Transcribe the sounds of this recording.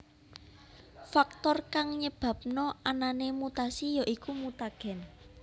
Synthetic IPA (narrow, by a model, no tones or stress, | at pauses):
fak̚t̪ɔrkaŋɲəb̥a̤p̚nɔʔananemut̪asijaʔikumut̪aɡ̥ɛ̤n